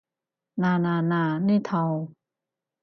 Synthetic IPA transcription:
naː˧naː˧naː˧˩ni˥˩˨t̪ʰa˧w

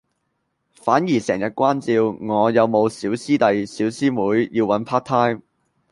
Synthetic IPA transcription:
faː˨˥njiː˨˩sɛː˨˩ŋjɐ˨t̚kʷaː˥nt͡siː˧wŋɔː˨˧jɐ˨˧wmo˨˧wsiː˨˥wsiː˥t̪ɐ˨jsiː˨˥wsiː˥muː˨˥jjiː˧wɐ˨˥npʰaː˥k̚t̪ʰaː˥jm

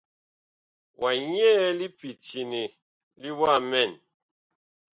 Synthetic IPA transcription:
wʔa˨ɲ˦ɛ˦li˦pi˨ti˨ni˨ | li˦wa˦˨mɛ˦˨n

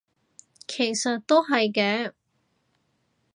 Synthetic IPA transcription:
kʰe˨˩jsɐ˨t̚t̪ːo˥wɦɐ˨jkɛː˧˥

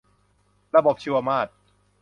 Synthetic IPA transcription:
ɾa˧bo˨˩p̚t͡ɕʰi˧wʔa˧maː˥˩t̪̚

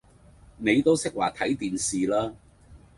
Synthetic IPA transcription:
ne˨˧jt̪o˥wsɪ˥k̚waː˨˩t̪ʰɐ˨˥jt̪iː˨nsiː˨laː˥

